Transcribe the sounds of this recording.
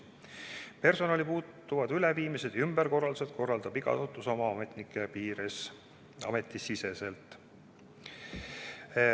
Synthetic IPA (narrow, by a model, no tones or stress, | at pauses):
pe̞rso̞nɑlipuːt̪ːˑuvɑd̪̥yleviːmise̞d̪̥ymb̥eɾko̞rːɑld̪uset̪̚ko̞rːɑld̪̥ɑb̥iɡ̥ɑ̰ot̪ːˑuso̞mɑmet̪nikːˑepiːɾes | ɑ̰me̞t̪ːˑisise̞se̞lt̪ːˑ